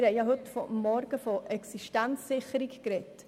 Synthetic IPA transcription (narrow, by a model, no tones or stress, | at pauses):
ɾhɛɪjɑɦɵtfɔmːɔɾɡ̥əfɔʔɛksiʃtænsːɪχəɾikkɾɛt